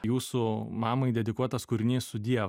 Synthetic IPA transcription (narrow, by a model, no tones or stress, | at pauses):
juːsʊmɑːmɐɪd̪ʲɛd̪ʲɪkuɔt̪ɐskʊɾʲɪnʲiːssʊd̪ʲiɛʋ